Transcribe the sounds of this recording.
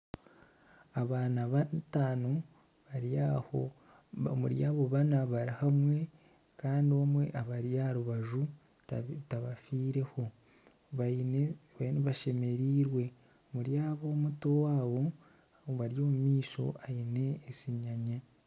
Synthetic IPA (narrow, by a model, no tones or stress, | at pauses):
aβaːnaβataːno | aho | muɾjaːβo̞βanaβaɾihamwe̞ | kaːndiomwe̞ʔaβaɾjahaɾuβaʒu | taβafiːɾe̞ho̞ | βaineβaʃe̞me̞ɾiːɾwe̞ | muɾjaːβo̞ːmutowaːβo̞ | βaɾjo̞ːmumiːʃo̞̰ʔajine̞ːsiɲaɲa